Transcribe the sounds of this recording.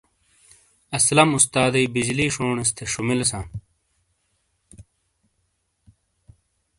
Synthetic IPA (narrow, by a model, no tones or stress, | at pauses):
ɐslɐmust̪aːd̪ɐibid͡ʑliːʂoːɳest̪ʰeʂumilsãː